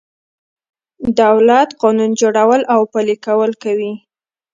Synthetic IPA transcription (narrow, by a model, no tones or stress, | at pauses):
d̪awlat̪qɑnund͡ʒoɽawəlawpalikawəlkawi